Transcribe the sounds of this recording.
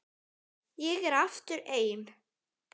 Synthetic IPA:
jɛɣɛɾaft̪ʏɾeːjn

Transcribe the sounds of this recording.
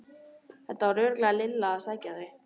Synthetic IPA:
θɛt̪ːaɾʏːɾklaalɪlːaasaːcaðɾɪ

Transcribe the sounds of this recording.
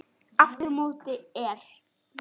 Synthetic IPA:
aft̪ʏɾmoːwt̪ɪɛɾ̥

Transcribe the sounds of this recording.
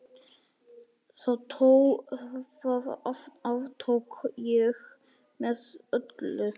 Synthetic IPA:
θaðt̪ʰo | aðɔfavt̪ʰowkjɛɣ | mɛðœt̪lʏ

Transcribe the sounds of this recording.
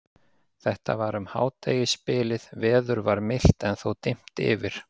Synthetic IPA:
θɛht̪a̰vaɾʏmha̰ːwt̪ʰeːjɪspɪːlɪðvɛːðʏɾvaɾmɪl̥t̪ɛnθowt̪ɪm̥t̪ɪ̰ːvɪɾ̥

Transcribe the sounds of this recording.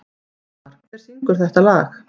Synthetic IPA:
aɾ̥ | ɛɾ̥θiŋkʏɾ̥θɛht̪alaːx

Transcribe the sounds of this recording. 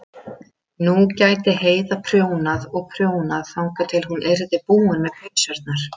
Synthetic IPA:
nucaːjt̪ɪɦeːjðapʰɾjoːwnaðɔɣpʰɾjoːwnaðθawŋkat̪ʰɪlhunʔɛjɾðɪpuːʏnmɛðpʰejsaɾt̪̚naɾ̥

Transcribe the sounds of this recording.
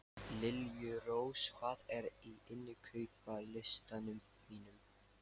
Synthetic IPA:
lɪljʏɾoːwshvaːðɛɾiɪnːɪkʰœɥpalɪst̪anʏm | viːnʏm

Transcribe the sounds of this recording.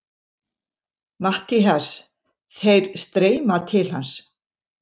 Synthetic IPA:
maht̪ɪɦas | θejɾ̥st̪ɾeːjmat̪ʰɪlɦa̰ns

